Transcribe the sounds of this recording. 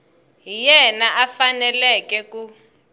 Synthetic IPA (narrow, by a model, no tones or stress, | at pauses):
ɦijɛnaʔafanɛlɛkɛku